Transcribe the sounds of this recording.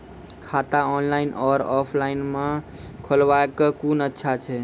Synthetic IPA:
kʰat̪aɔːnlaɪnʔɔːɾɔpʰlaɪnmã | kʰəlʋaekəkuːnətːʃʰat͡ʃʰɛ

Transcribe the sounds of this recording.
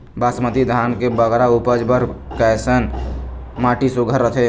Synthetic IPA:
baːsmət̪id̪ʱaːnkebəɡɾaupəd͡ʒbəɾkɛsən | maːʈisuɡʱəɾːət̪ʰe

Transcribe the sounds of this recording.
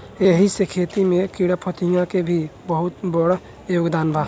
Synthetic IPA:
eɦisekʰet̪imẽkiɽapʰət̪ʰijãkebʱibəɦʊt̪bəɽ | joɡd̪anbʱa

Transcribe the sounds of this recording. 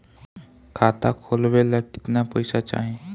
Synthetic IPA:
kʰat̪akʰolʋelaki̥t̪napəjsat͡ɕaa̰ɦe

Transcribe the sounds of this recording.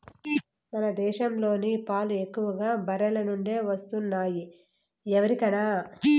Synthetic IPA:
mɐnɐd̪ɛːʃɐmlo̞ːnipaːlue̞kːuʋɐɡaːbɐɾɐlɐnuɳɖe̞ːʋɐst̪unːaːji | ɛʋɐɾikɐɽaː

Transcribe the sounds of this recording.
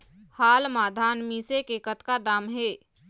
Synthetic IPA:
haːlmaːd̪ʱaːnmiːsekekət̪kad̪aːmɦeː

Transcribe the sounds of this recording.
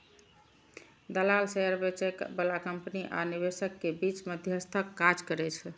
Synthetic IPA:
d̪əlalseɦəɾbet͡ʃekbəlakəmpniʔa̰niβesəkːebit͡ʃməd̪ʱjəst̪ʰəkːad͡ʒkəɾɛt͡ʃʰ

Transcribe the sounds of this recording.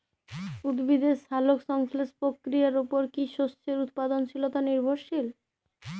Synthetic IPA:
ud̪bid̪esalokʃɔŋslespɾokːɾijaɾupoɾkiʃost͡ɕeɾut̪̚pad̪ont͡ɕʰilot̪aniɾbʱoɾʃil

